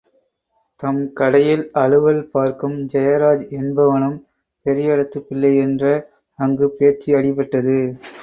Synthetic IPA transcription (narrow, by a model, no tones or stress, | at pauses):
t̪ɐmkɐɽɐjɪlɐɻɯʋɐlpaːɾkɯmd͡ʒɐjɐɾaːd͡ʒɛnbɐʋɐnɯm | pɛɾɪjɐɽɐt̪ːɯpːɪlːɐɛndrɐː | ŋɡɯpeːɾt͡ʃːiɐɽɪp̬ːɐʈːɐðɯ